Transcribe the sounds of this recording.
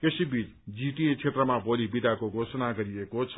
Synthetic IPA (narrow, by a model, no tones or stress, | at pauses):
kesibit͡s | d͡ziʈiet͡sʰet̪rʌmabolibid̪ʱakoɡʱosʌnaɡʌɾiekot͡sʰ